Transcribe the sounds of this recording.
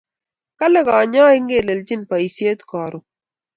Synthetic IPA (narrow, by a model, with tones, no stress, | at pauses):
ka˦le˦ka˨ɲɔː˦ɪ˦ŋɡe˨lɛ˨lt͡ʃi˦npa˨i˨si˦e˦t̪kɔː˨ɾu˨